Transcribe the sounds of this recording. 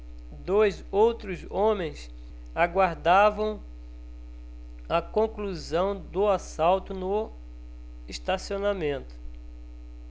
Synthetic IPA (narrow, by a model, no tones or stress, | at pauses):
d̪ojzowt̪ɾʊzõmẽj̃s | aɡwaɾd̪avɐ̃w̃ | ɐkõkluzɐ̃w̃d̪ʊasawt̪ʊnʊ | eʃt̪asionamẽnt̪ʊ̥